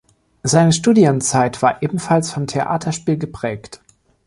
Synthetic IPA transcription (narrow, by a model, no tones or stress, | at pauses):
zaɪnəʃtuːdjʊmt͡saɪtv̥aːɐʔeːbm̩falsfɔmtʰeʔa̰ːtʰɐʃpiːlɡəpʁ̥ɛːkt